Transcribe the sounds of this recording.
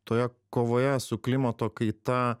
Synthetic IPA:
t̪oːjɛkoːʋoːjɛsʊklʲɪmɐt̪oːkɐɪt̪ɐ

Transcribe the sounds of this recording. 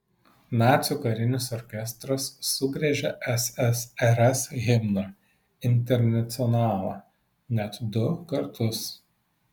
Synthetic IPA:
nɑːt̪sʲuːkɐɾʲɪnʲɪsɔɾʲkʲɛst̪ɾɐsːʊɡɾʲɛʒʲɛʔɛsɛsɛɾɛsɣʲɪmno | ɪnʲt̪ʲɛɾʲnɐt̪sʲɪɔnɑːlˠɐ | nʲɛt̪d̪ʊkɐɾt̪ʰʊs

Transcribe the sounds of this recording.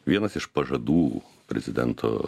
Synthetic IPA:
ʋʲiɛnɐsɪʃpɐʒɐd̪uː | pʲɾʲɛ̰zʲɪd̪ʲɛ̰nt̪ʰo̰ː

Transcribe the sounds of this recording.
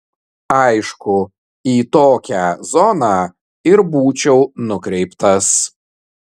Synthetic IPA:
ɑɪʃkʊ | iːt̪oːkʲæzɔnɑ | ɪɾbuːt͡ʃʲɛʊnʊkɾʲɛɪpt̪ɐs

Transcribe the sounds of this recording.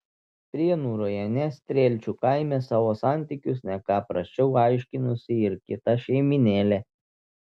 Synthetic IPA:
pʲɾʲiɛnuːɾoːjɛnʲɛsʲt̪ʲɾʲeːlʲt͡ʃʲuːkɑɪmʲɛsɑːʋoːsɑˑnʲt̪ʲiˑkʲʊsnʲɛkɑːpɾɐsʲt͡ʃʲɛʊɑɪʃʲkʲɪnʊsʲɪɪɾkʲɪt̪ɐʃʲɛɪmʲɪnʲeːlʲeː

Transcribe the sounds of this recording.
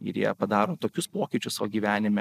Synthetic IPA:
ɪ̰ɾjḭɛpɐd̪ɑːɾoːt̪oːkʲʊspoːkʲɪt͡ʃʲʊssɑʋoɡʲiːʋʲæːnʲɪmʲɛ

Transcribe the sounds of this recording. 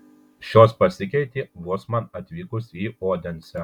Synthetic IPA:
ʃʲoːspɐsʲɪkʲɛɪt̪ʲiːʋuɔsmɐnɐt̪ʲʋʲiːkʊsiːoːd̪ʲɛnʲsʲɛ

